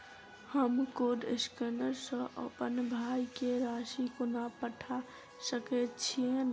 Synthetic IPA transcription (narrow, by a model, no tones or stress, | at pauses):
həmkoɖɪskənəɾsə̃ʔə̰pənbʱaikeɾaːʃikonapəʈʰa | səkett͡ʃʰien